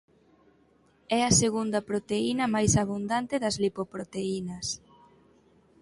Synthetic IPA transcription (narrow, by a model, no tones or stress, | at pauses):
ɛɐseɣund̪ɐpɾot̪einɐmajsaβ̞und̪ant̪eðɐzlipopɾot̪einɐs